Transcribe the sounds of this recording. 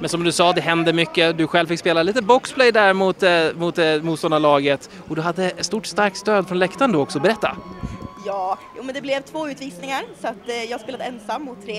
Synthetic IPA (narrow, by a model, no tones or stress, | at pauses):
mɛnsɔmd̪ɵsɑːd̪ɛɦɛnd̪əɾmʏkːəd̪ɵɧɛlvfɪkspeːlaliːt̪əbɔkspʰlɛjd̪æɾmʊt̪mʊt̪muːt̪st̪ɔnd̪aɾlɑːɡət̪ | ɔd̪ɵɦad̪ːəst̪uːʈst̪aɾk̚t̪st̪øːd̪fɾɔnlɛkt̪aɳd̪oɔksɔbɛɾɛt̪ːa̰jɑːjṵːmɛnd̪ɛblɛvt̪ʰvoːʉ̟ːt̪viːsnɪŋaɾsɔat̪ːjɑːhaspeːlad̪ɛnsamːʊt̪ʰːɾeː